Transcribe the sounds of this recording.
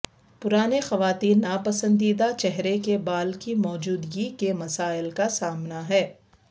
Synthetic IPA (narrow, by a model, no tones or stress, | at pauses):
pʊɾaːnexɐʋaːt̪iːnːapɐsə̃nd̪iːd̪at͡ʃɛɦɾekebaːlkimɔːd͡ʒuːd̪ɡikemɐsaːɪlkasaːmnaɦɛː